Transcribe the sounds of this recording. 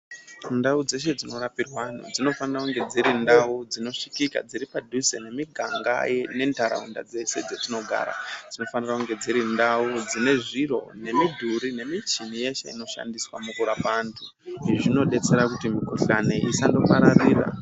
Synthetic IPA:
ndaud͡ze̞ʃ̬e̞d͡zino̞rapirwan̤ṵd͡zino̞fanirakuŋɡe̞d͡ziɾindaud͡zino̞ʂikika̰d͡ziɾipadʱusene̞miɡʱaŋɡa̰jne̞ntaɾa̰unda̰d͡zese̞d͡zetino̞ɡʱa̰ːɾa̰d͡zino̞fanirakuŋɡe̞d͡ziɾindaud͡zine̞ʐiro̞̰ne̞midʱuɾine̞mit͡ʃinije̞ʃe̞̰ḭno̞ʃa̰ndiswamukuɾapantʰu | iʐiʐino̞ɗe̞t͡se̞ɾakutimiko̞ɬane̞ʔisando̞paɾariːra̰

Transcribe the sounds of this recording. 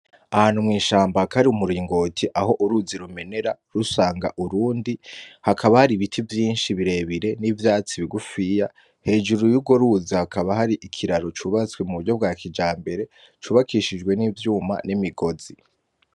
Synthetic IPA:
ahaːnumŋiːʃaːmbaakʰaɾiumuɾiːŋɡo̞ːtʰiʔaho̞ʔuɾuziɾume̞ne̞ɾaɾusaːŋɡa̰ʔuɾuːndihakʰaβahaɾiβitʰivjiːnʃiβiɾe̞βiɾe̞nivjaːt͡siβiɡufija | he̞ːd͡ʒuɾujuɡo̞ɾuzihakaβaɦaɾiʔikʰiɾaɾo̞t͡ʃuβat͡swe̞muβuɾɟo̞b̚ɡaːkʰid͡ʒaːmbe̞ɾe̞ | t͡ʃuːβakʰiʃid͡ʒɡwe̞niːvjuːma̰nimiɡo̞zi

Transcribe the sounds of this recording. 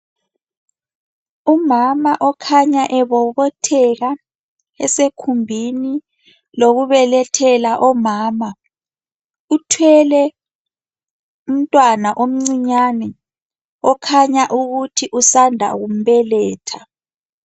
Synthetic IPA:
umamaʔɔkʰaɲaʔɛβɔβɔtʰɛɣa | ɛsekʰumbʱini | loɣuβɛlɛtʰɛlaʔɔmaːma | utʰwɛlɛ | um̩tʼwanaʔom̩ŋ͡ǀiɲanɛ | ɔkʰaɲaʔuɣutʰiʔusandʱa̰ɣum̩βɛlɛːtʰa

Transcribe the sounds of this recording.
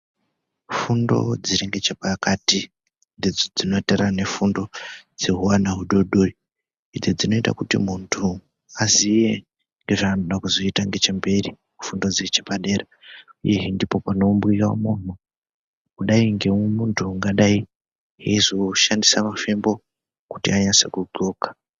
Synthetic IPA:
fundo̞̰d͡ziɾiŋɡe̞t͡ʃepakati | nded͡zod͡zino̞terane̞fundo̞d͡ze̞ɦuwanaɦuɗo̞ɗoi | id͡zed͡zino̞ita̰kutḭmuntʰu | azije | ŋɡe̞ʐaːnoɗakuzo̞itaŋɡe̞t͡ʃembe̞ɾi | ufundo̞d͡zet͡ʃepaɗe̞ːɾa | uje̞ɦindipo̞pano̞mbwijaomun̤̥u | kuɗaiŋɡe̞muntʰuŋɡaɗai | ɦeizo̞ʃandisamafembo̞ | kutiaɲanse̞̰kuǃoːkḁ

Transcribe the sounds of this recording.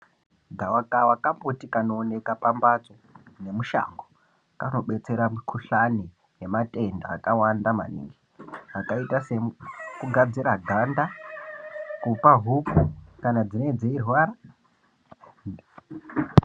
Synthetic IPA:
ɡʱawakawakambutikanoːne̞kapambat͡so̞ne̞muʃa̰ŋɡo | kano̞ɓe̞t͡se̞ɾamikʰuɬani | ɦemate̞nda̰ːkawandama̰nḭŋɡi | akaitase̞kuɡʱad͡ziraɡʱanda | kupaɦupukanad͡zined͡zeirwaɾa

